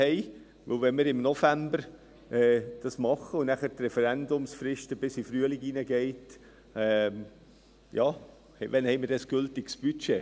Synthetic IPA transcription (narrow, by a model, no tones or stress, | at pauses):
hɛɪ | ʋɵlʋɛnməɾɪmnofæmbəɾ | ʔɛːd̥ɑsmɑχəʊnnæχəɾtrɛfɛɾændʊmsfrɪʃtəb̥ɪsifɾyəlɪɡinəɡ̥ɛɪt | ɛ | jɑː | hvɛnhɛɪməɾdɑsɡ̥ʏltɪksb̥yt͡ʃe